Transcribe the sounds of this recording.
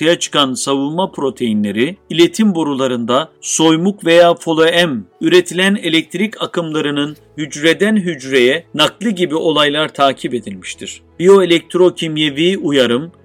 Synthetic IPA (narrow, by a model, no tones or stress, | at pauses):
ajat͡ʃʰɯ̥kansavɯlˠmapʰɾo̞t̪ʰe̞jinlʲe̞ɾiilʲe̞t̪ʰimboɾulˠaɾɯnd̪aso̞jmukve̞jaːfo̞lˠoæmyɾe̞t̪ʰilʲæne̞lʲɛc̚t̪ʰɾicakʰɯmlˠaɾɯnɯn | hyd͡ʒɾed̪ænɦyd͡ʒɾe̞jɛnaklˠɯɟibiʔo̞lˠajlˠaɾt̪ʰaːcʰipe̞d̪ilʲmiʃt̪ʰiɾ̝̥ | bio̞elʲɛc̚t̪ʰɾo̞cʰimje̞viːujaɾɯm